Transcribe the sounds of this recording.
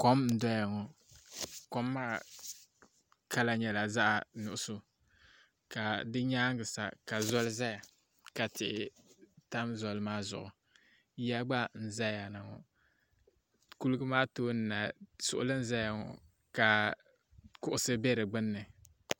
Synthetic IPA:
kɔ˦mn̩˨dɔ˦ja˨ŋɔ˨ | kɔ˦mːaː˦˨ | ka˦la˨ɲɛ˨la˨za˦ʔa˨nʊ˨ʔʊ˦sʊ˦ | ka˨dɨ˦ɲaː˦ŋɡɨ˨sa̰˨ka˨zɔ˦lza˦ja˨ | ka˨tɪ˨ʔɪ˨ta˦mzɔ˨lɨ˦maː˦zʊ̰˨ʔʊ˨ | ja˦ɡ͡ba˦n̩˨za˦ja˨na˨ŋɔ̰˨ | ku˦lɨ˦ɡɨ˦maː˦toː˦n̩˦na˨sʊ̰˦˨ʔʊ̰˦lɨ˦n˦za˦ja˨ŋɔ̰˨ | ka˨ | kʊ˦ʔʊ˨sɨ˦bɛ˦ɾɨ˨ɡ͡bɨ˦nːɨ˨

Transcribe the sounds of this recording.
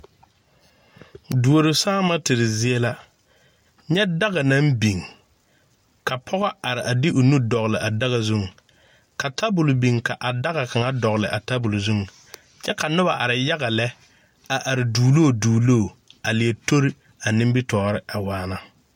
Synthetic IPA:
du˨o˨ɾo˨saː˦ma˦tɪ˨ɾɪ˨zɪ˦ɛ˦la˦ | ɲɛ˦da˦ɣa˨na˦mbi˨ŋ | ka˨pʰɔ˦ɣɔ˦a˨ɾɪ˨ʔa˨dɪ˦ʔʊ˨nu˦dɔ˨ɣlɪ˨ʔa˨da˦ɣa˨zu˦ŋ | ka˨ta˦bʊ˨lbi˨ŋka˨ʔa˨da˦ɣa˨ka˨ŋa˦dɔ˨ɣlɪ˨ʔa˨ta˦bu˨lzu˦ŋ | t͡ʃɛ˦ka˨nʊ˦ba˨ʔa˨ɾɪ˨ja˦ɣa˨lɛ˦ | a˨ʔa˨ɾɪ˨duː˨loː˦˨duː˨lo˦˨a˨lɪ˨ɛ˨to˦ɾɪ˦ | a˨nɪ˦mbɪ˦tɔː˨ɾɪ˦a˨waː˨˦na˦

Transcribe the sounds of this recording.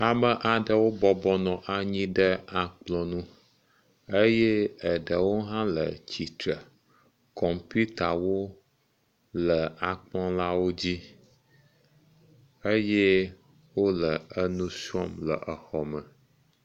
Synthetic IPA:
a˨mə˨ʔa˨ɖə˨wo˦bɔ˨bɔ˦nɔ̃˨ʔa˨ɲĩ˦ɖə˦a˨k͡plɔ̃˨nũ˦ | ə˦je˦ə˨ɖə˨wo˦ɦã˦lə˨t͡ɕi˨t̪ɾə˨ | kɔ˨mpu˦t̪a˨wo˦ | lə˨a˨k͡plɔ̃˦la˦wo˦d͡ʑi˦ | ə˦je˦ | wo˦lə˨ə˦nũ˦sɔ̰̃˦mlə̰˨ʔə˨xɔ˨mə˨

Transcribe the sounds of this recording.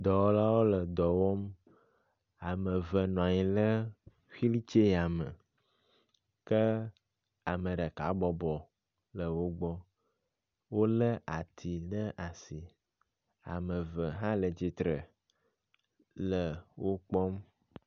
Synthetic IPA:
d̪ɔ˨wo˦la˦wo˦lə˨d̪ɔ˨wɔ˦m | a˨mə˨və˨nɔ̃˨a˨ɲi˨lə˦ | ɸi˦li˦t͡ʃe˦˨a˨mə̰˨ | kə˦ | a˨mə˨ɖə˨ka̰˨˦bɔ˨bɔ˨ | lə˨wo˦ɡ͡bɔ˦ | wo˦lə˦ʔa˨t̪ʰi˨ɖə˦ʔa˨si˨ | a̰˨mə˨və˨ɦã˦lə˨d͡ʑi˨t̪ɾə˨ | lə˨wʔo˦k͡pɔ˦m

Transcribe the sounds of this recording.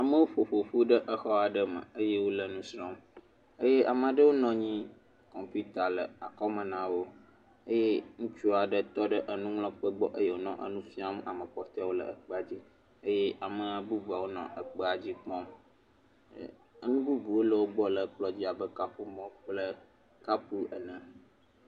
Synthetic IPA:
a˨mə̃˦wo˦ɸo˨ɸo˨ɸu˦ɖə˦ʔə˦xɔ˦a˨ɖə˦mə̰̃˨ə˦je˦wo˦lə˨nũ˦sɾɔ̃˦m | ə˦je˦ʔa̰˨mə̃˨a˨ɖə˦wo˦nɔ̃˨ɲĩ˦ | kɔ˨mpu˦t̪a˨lə˨a˨kɔ˦mə̃˨nã˨wo˦ | ə˦je˦ŋũ˦t͡ʃu˦a˨ɖə˦t̪ɔ˦ɖə˦ʔə˨nũ˦ŋlɔ̃˦k͡pə˦ɡ͡bɔ˦ʔə˦je˨wo˦nɔ̃˦ʔə̰˦nũ˦fi˦a˦m˦ʔa̰˨mə̃˨k͡pɔ˨t̪ɛ˦wo˦lə̰˨ə˨k͡pə˦a˨d͡ʑi˦ | e˦je˦ʔa˨mə̃˨bu˦bu˨a˨wo˦nɔ̰̃˨ʔə˨k͡pə˦a˨d͡ʑi˦k͡pɔ̃˦m | ə˦nũ˦bu˦bu˨wo˦lə˨wo˦ɡ͡bɔ˦lə˨k͡plɔ˦d͡ʑi˦a˨bə˦ka˦ɸu˦mɔ̃˦k͡plə˦ | ka˦pu˦ʔə˨nə̃˨

